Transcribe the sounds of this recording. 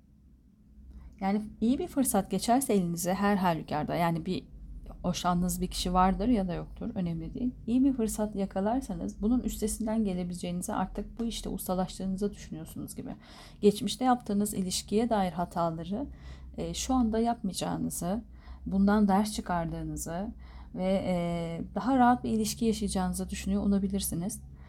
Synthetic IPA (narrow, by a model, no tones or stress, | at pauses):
jaːniijibifɯɾsat̪ɟe̞t͡ʃʰæɾsɛelʲinizɛɦæɾɦalʲːycʰaɾd̪ajaːnibiho̞ʃannɯzbicʰi̥ʃivaɾd̪ɯɾjad̪ajo̞k̚t̪ʰuɾø̞nɛmlʲid̪ḭjinijibifɯɾsat̪jakʰalˠaɾsanɯzbununyst̪ʰe̞sind̪ænɟe̞lʲe̞bilʲd͡ʒe̞jinizɛʔa̰ɾt̪ʰɯk̚buiʃt̪ʰɛ̰ṵst̪ʰalˠaʃlˠɯːnɯzad̪yʃynyjo̞ɾsunuzɟibɪ̰ | ɟ̥ɛt͡ʃmiʃt̪ʰɛjapt̪ʰɯːnɯzḭlʲiʃcʰijɛd̪aːjiɾɦat̪ʰaːlˠaɾɯː | ʃuand̪ajap̚mɯjd͡ʒa̰ːnɯzɯ | bund̪and̪æɾst͡ʃʰɯkʰaɾd̪ɯːnɯzɯ | vɛ | d̪aɦaɾaɦat̪̚biilʲiʃcʰijaʃɯjd͡ʒaːnɯzad̪yʃynyjoolˠabilʲiɾsiniz̥